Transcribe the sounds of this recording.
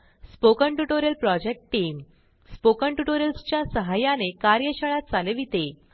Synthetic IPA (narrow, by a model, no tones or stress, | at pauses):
spokəɳʈuʈoɾjəlpɾɔd͡ʑek̚ʈʈːiːm | spokəɳʈuʈoɾjəlst͡ɕjasəɦajanekaɾjəɕəɭat̪̚t͡saleʋit̪e